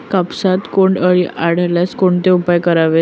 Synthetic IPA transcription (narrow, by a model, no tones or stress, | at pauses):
kapsat̪koɳɖəɭiʔaɽ̤əljaskoɳt̪eupajkəɾaʋe